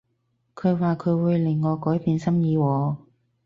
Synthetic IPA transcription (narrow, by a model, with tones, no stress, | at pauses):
kʰɵ˨˧ɥwaː˨˩kʰɵ˨˧ɥwuː˨˧jlɪ˨˩ŋːɔː˨˧kɔː˨˥jpiː˧nsɐ˥mjiː˨˧wɔː˨˧